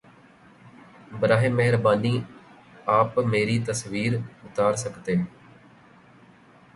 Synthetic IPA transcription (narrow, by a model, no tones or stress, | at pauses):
bɾaːɦɪmːɛɦɾbaːniː | aːpmeːɾit̪əsʋiːɾʊt̪aːɾsəkʰt̪eː